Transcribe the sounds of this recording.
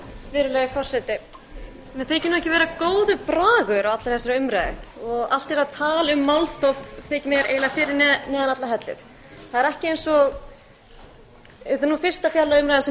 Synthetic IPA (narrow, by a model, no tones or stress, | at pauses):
vɪːɾʏleːjʏfɔr̥sɛt̪ɪ | mɛθejcɪnːɛhcɪvɛːɾakoːwðʏpɾaːɣʏɾawat̪laɾθɛsaɾʏmɾajðʏ̰ɔɣa̰l̥t̪ɛɾaðt̪ʰaːlʏmːawlθɔfθcɪmjɛɾʔḛːjlafɪːɾɪɾnɛnɛːðanat̪laɦɛt̪lɪ̰θ | θaðɛɾɛhcɪejnsɔɣ | ɛt̪anuːfɪr̥st̪afjalːaʏmɾajðans